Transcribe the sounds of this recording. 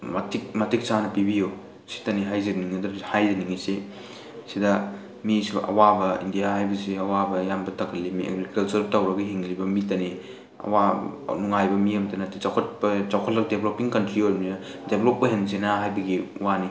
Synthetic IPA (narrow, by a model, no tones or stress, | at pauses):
matik̚mɐtik̚sanɐpibijo | si̥tɐniɦajzɐniŋɐdɐhajzɐniŋise | sidɐ | misibɐ̰ʔɐ̰wabɐḭndijahajbɐsiɐwabɐjambɐtʰɐkʰɐlːimiʔḛɡɾikɐlt͡ʃɐɾbtawɾɐɡɐɦiŋzibɐmitɐni | ɐ̰wanuŋajbɐmiɐmtɐnɐtit͡ʃawkʰɐt̚pɐt͡ʃawkʰɐt̚lɐk̚deblopiŋkɐntɾioɾninɐdeblopːɐɦensenaɦajbɐɡiwani